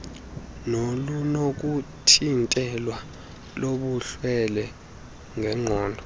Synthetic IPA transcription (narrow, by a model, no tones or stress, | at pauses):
nolunok̬ʼutʰintʼɛlwa | loɓuɬwɛlɛ | ŋʱɛŋ͡ǃʱɔːndʱɔ